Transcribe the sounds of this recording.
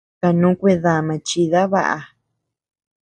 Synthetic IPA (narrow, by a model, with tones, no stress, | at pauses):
ka˧nũ˦kʷe˧ða˧˨mã˧t͡ʃi˧ða˦βa̰˦˧ʔa̰˨˧